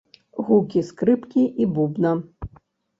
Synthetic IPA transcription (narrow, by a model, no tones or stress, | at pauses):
ɣukʲiskɾɨpkʲiʔibubnɐ